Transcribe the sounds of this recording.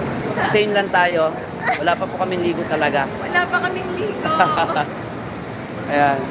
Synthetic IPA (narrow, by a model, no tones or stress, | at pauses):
sɛjnlɐnt̪aːjo̞ | wɐlaːpɐpʊkɐmɪŋliːɡot̪ɐlɐɡawɐlaːpɐkɐmɪŋliːɡo | ʔɐjan